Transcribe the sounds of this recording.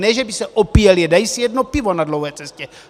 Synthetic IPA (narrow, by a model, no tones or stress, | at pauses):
nɛʒɛbisɛʔopijɛljɛdajisijɛdnopɪvo̞nadlowɦɛːt͡sɛscɛ